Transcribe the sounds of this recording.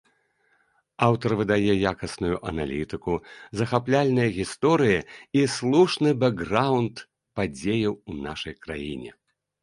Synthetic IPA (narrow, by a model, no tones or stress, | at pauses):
awt̪ɐrvɨd̪ajɛjakɐsnujuʔɐnalʲit̪ɨkuzɐxaplʲalʲnɨjɐɣʲist̪ɔɾɨjɐislˠuʂnɨbɛɡrawnt̪ | pad͡zʲejɐwunaʂɐjkɾa̰jḭnʲɛ̰